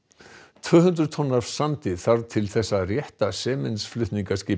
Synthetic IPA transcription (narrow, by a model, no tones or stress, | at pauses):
t̪ʰvœːɦʏnt̪ɾʏt̪ʰɔnːaɾ̥sant̪ɪθaɾt̪ʰɪlθɛsːarjɛht̪asɛːmɪnsflʏht̪niŋkascɪː